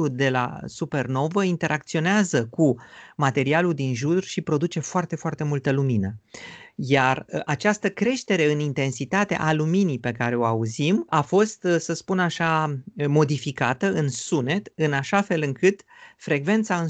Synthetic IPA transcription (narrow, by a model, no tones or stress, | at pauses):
ud̪e̞la̰supe̞rno̞vəint̪e̞ɾʔakt̪sio̞neazəkumat̪e̞ɾialud̪inʒurʃipɾo̞d̪ut͡ʃe̞foart̪e̞foart̪e̞mult̪əluminə | jarat͡ʃast̪əkɾe̞ʃt̪e̞ɾe̞ɨnint̪e̞nsit̪at̪e̞̰ʔaluminipe̞kaɾe̞o̞auzimafo̞st̪səspunaʃamo̞d̪ifikat̪əʔɨnsune̞t̪ɨnaʃafe̞lɨŋkɨt̪ | fɾe̞ɡve̞nt̪saɨn